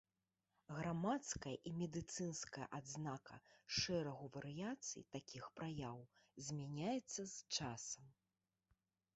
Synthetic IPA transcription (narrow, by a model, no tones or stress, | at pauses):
ɣɾamat̪skɐjɐʔimʲɛd̪ɨt̪sɨnskɐjɐ̰ʔad̪znakɐ̰ʂɛɾɐɣuvɐɾɨjat̪sɨ̰jt̪akʲixpɾajawzʲmʲanʲajɛt̪sːɐzt͡ʂasɐm